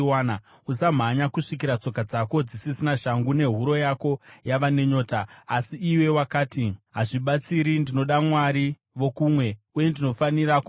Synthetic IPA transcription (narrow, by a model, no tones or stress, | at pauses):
aːna | usam̤aɲakuʂikiɾat͡so̞kad͡zako̞d͡zisisinaʃaŋɡune̞ɦuɾo̞jako̞jaʋane̞ɲo̞ːtaːsiːwe̞wakaːtiɦaʐiɓat͡siɾindino̞ɗamwaɾi | ʋo̞kumwe̞uje̞ndino̞faniɾaku